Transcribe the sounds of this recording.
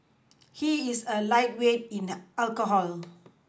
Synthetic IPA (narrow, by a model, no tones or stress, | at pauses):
hiisəlaɪt̚wet̚ĩnalkoɦɔl